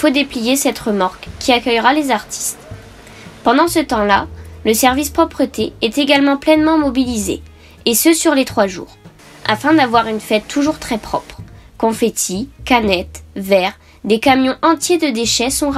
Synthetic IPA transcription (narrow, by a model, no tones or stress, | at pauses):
fod̪eplijesɛt̪ʁəmaʁkʲːiakʲœjʁalezaʁt̪ʰi̥st̪ | pɑ̃d̪ɑ̃sət̪ɑ̃laləsɛʁvispχɔpχət̪eɛt̪eɡalmɑ̃plɛnmɑ̃mɔbilizḛː | səsyʁlet̪χwaʒṵːʁ | a̰fɛ̃d̪avwaʁynfɛt̪ːuʒuʁt̪χɛpχɔpχkɔ̃fet̪ʰikanɛt̪vɛʁ | d̪ekamjɔ̃ʔɑ̃t̪jed̪əd̪eʃɛsɔ̃ʁ